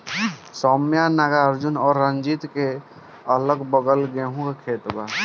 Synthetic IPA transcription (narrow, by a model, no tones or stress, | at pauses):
sɔːmjanaɡaəɾd͡ʒunɔːɾːənd͡ʒit̪ke | ələɡbəɡəlɡẽːɦũkekʰeːt̪ba